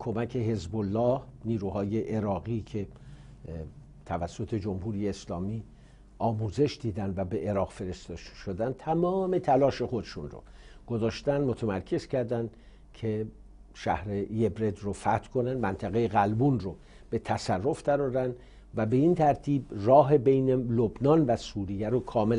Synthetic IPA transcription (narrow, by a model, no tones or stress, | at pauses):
kʰo̞mækʰe̞ɦe̞zbolːɒːhniːɾuːhɒːje̞ʔːɾɒːɣiːcʰe̞ | t̪ʰævæsːot̪ʰe̞d͡ʒo̞mhuːɾijeːslɒːmiː | ɒːmuːze̞ʃd̪iːd̪ænd̪væbe̞ʔeɾɒːɣfe̞ɾest̪ʃod̪ænd̪̚t̪ʰæmɒːme̞t̪ʰælɒːʃe̞xod̪eʃunro̰ɡ̥ozɒːʃt̪ænmot̪ʰæmæɾkʰe̞z̥cʰæɾd̪ænd̪ | cʰe̞ | ʃæ̰hɾeje̞bɾe̞d̪rofæt̪ʰkʰo̞nænd̪mænt̪ʰæɣejeɣælbunro | b̥e̞t̪ʰæsærːo̞fd̥æɾɒːɾænd̪ | væbe̞int̪ʰæɾt̪ʰiːbrɒːɦe̞be̞jnelobnɒnvæsuːɾijæɾokʰɒːmel